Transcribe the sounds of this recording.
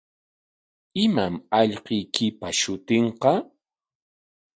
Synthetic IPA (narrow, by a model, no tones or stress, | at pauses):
ɪmamɑʎqɪjkɪpaʃʊt̪eɴqɑ